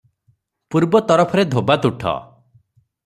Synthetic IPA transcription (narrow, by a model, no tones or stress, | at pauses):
puɾbɔt̪ɔɾɔpʰɔɾed̪ʱobat̪uʈʰɔ̰